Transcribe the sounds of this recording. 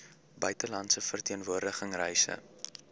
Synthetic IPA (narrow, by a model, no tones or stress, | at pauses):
bœɥtəlɐntsəfərtiənvuərdəχəŋrɛjsə̰